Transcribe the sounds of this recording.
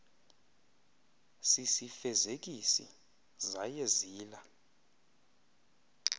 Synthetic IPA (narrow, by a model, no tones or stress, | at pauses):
sisifɛzek̬isḭ | zajeziːla